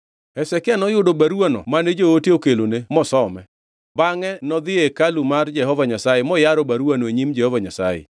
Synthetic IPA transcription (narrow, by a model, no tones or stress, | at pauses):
ɛsɛkanɔjʊdobaɾuanɔ̰maned͡ʒootokelonemɔsɔmɛ | baŋɛnɔd̪ɪekalumard͡ʒɛhɔvaɲasajemɔjaɾɔbaɾwanoeɲimd͡ʒɛhɔvaɲasa̰jḛ